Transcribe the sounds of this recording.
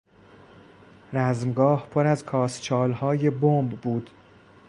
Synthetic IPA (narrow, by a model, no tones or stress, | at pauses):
ɾæzmɡɒːhpʰoɾæzkʰɒːst͡ʃʰɒːlhɒːje̞bombːuːd̪̥